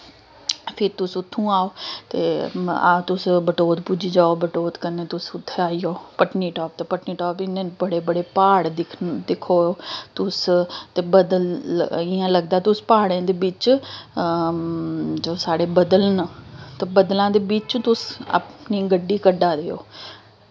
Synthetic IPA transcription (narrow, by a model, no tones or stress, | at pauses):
pʰɪɾt̪ʊsʊt̪ʰːũːaːoːt̪ḛːa̰ːt̪ʊsbəʈoːt̪pud͡ʒiːd͡ʒaːoːbəʈoːt̪kəneːt̪ʊsʊt̪ʰːeaːiːoːpəʈniːʈɔːp̚t̪epəʈniːʈɔːpɪnẽːbəɽeːbəɽeːpaːɽd̪ɪkʰd̪ɪkʰoːoːt̪ʊst̪eːbəd̪əlɪãːləɡd̪aːt̪ʊspaːɽãːd̪eːbɪt͡ʃ | d͡ʒoːsaːɽeːbəd̪əlnt̪ebəd̪lãːd̪eːbiːt͡ʃt̪ʊsa̰ːpniːɡəɖːiːkəɖaːɾeːo̰ː